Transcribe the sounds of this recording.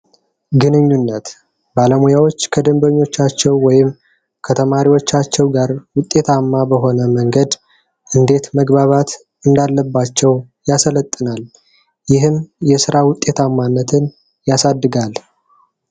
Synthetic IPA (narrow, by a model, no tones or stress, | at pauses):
ɡɨnɨɲːunːət̪ | baləmujawo̞t͡ʃːkʰəd̪əmbəɲːo̞t͡ʃːat͡ʃːɛwːɔjɪm | kʰət̪ʰəmaɾiwo̞t͡ʃːat͡ʃːɛwɡaɾwʊt̪ʼːe̞t̪ʰamːabəɦo̞nəməŋɡəd̪ | ʔɨnd̪e̞t̪məɡbaβat̪ | ɨnd̪alːəbːat͡ʃːɛw | jasələt̪ʼːɨnal | jɪɦɨmjɛsɨɾawʊt̪ʼːe̞t̪ʰamːanːət̪ʰɨn | jasad̪ːɨɡal